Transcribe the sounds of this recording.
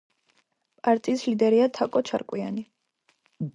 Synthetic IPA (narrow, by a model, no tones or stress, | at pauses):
pʼaɾt̪ʼiːslid̪ɛɾiat̪ʰakʼɔt͡ʃʰa̰ɾkʼwia̰ni